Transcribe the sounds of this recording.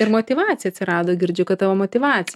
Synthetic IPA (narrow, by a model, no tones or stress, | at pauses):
ɪɾmoːt̪ʲiʋɑːt̪ʲɪjɛɐt̪sʲɪɾɑːd̪oːɡʲɪɾʲd͡ʒʲʊkɐt̪t̪ɑʋoːmoːt̪ʲiʋɑːt̪t͡s̪ʲɪ